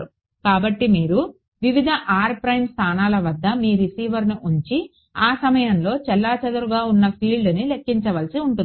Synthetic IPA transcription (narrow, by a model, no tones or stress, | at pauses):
ɾu | kaːbɐʈːimiːɾu | ʋiʋid̪ʱɐʔaːɾpɾɐjmst̪ʰaːnaːlɐʋɐd̪ːɐmiːɾisiːʋɐɾniʔuɲt͡ʃi | aːsɐmɐjɐnlo̞ːt͡ʃɛlːaːt͡ʃɐd̪ɐɾuɡaːunːɐpʰiːɭɖɐnilekːiɲt͡ʃɐʋɐlsiuɳʈun